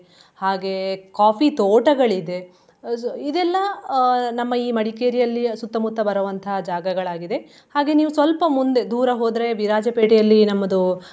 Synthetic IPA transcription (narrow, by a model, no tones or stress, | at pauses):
haːɡe̞kaːfit̪oːʈɐɡɐɭid̪e̞ | id̪ɛlːɐnɐmːɐiːmɐɽikeːɾijɐlːisut̪ːɐmut̪ːɐbɐɾɐʋɐnt̪ʰɐɦɐd͡ʒaːɡɐɡɐɭaːɡid̪e̞ | haːɡe̞niːʋusʋɐlpɐmund̪e̞d̪uːɾɐɦoːd̪ɾe̞biɾaːd͡ʒɐpeːʈijɐlːinɐmːɐd̪u